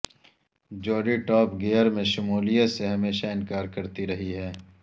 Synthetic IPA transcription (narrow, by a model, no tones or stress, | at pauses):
d͡ʒɔːɖiʈɔːpɡeːəɾmẽʃʊmuːlijət̪seɦɐmeːʃaɪ̃nkaːɾkɐɾt̪iɾɐɦiɦɛː